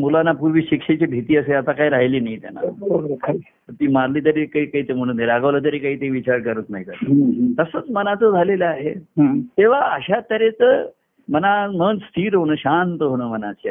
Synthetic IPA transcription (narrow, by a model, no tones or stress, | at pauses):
mulanapuɾʋiːɕikʂet͡ɕibʱit̪iːəseat̪akajɾaɦiliːnaɦit̪ja̰na̰ | ət̪iːmaɾliːt̪̬əɾekaɦikaɦiːt̪em̤əɽ̃und̪eaɡəʋlət̪̬əɾekaɦiːt̪eiʋit͡ɕaɾkəɾət̪naɦik̪ət̪əsət͡smənat͡səd͡zʱaleləaɦet̪eʋ̤aəɕat̪əɾet͡sə | mənaməənst̪ʰiːɾɦoɽ̃əːɕant̪əɦoɽ̃əːmənat͡ɕia